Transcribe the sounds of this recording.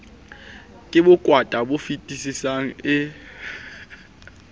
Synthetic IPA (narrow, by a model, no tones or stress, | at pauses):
kʼɪbʊkʼwatʼabʊfitʼisisaŋ̩ɪ